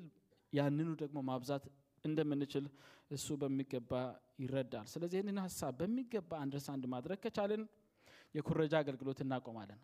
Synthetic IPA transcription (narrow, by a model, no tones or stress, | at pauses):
l | janːɨnud̪əɡmo̞maβzat̪ | ɨnd̪əmːɨnːɨt͡ʃɪlʔɨsːubəmːiɡəbːajɪɾəd̪ːalsɨləzːihɨnɨnhasːaβːəmːiɡəbːaːnd̪ɾəsand̪mad̪ɾəɡ̚t̪ʰət͡ʃalːən | jɛkʰuɾəd͡ʒaːɡəlɡɨlo̞t̪ɨnːakʼomalːənːə